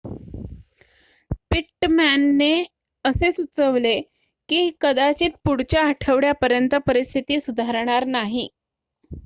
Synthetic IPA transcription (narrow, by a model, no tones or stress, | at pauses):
piʈmænːe | əsesut͡səʋle | kiːkəd̪at͡ɕiːt̪̚puɽt͡ɕjaəʈʰəʋɽjapəɾjənt̪əpəɾist̪ʰit̪iːsud̪ʱaɾɳ̃aɾnaɦi